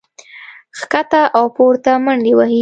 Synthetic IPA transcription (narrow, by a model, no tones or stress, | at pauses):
xkat̪aʔawpoɾt̪amaɳdewahi